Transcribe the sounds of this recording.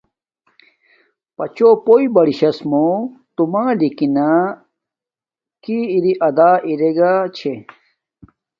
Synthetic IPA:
pɐt͡ɕopoibɐɽiɕɐsmot̪umaːlikina | kiːɾiʔɐd̪aːʔiɾeɡat͡ɕʰe

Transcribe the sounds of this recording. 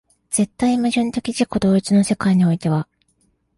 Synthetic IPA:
z̥e̞t̪ːaimaʑɨ̃nt̪e̞kʲiʑiko̞d̪o̞ːit͡sɨno̞se̞kaiɲ̟io̞it̪e̞βa

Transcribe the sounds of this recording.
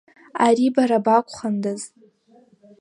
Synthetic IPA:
aɾibaɾabakʷʰʼχandɨz

